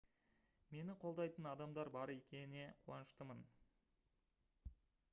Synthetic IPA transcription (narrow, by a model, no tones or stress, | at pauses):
me̞nɪqʰo̞lˠd̪ɑjt̪ənɑd̪ɑmd̪ɑɾbɑɾe̞kʲe̞nɪne̞qʰuɑnəʃt̪əmən